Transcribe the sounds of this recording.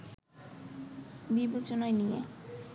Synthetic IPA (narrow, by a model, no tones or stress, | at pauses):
bibet͡ɕonɔjnijḛ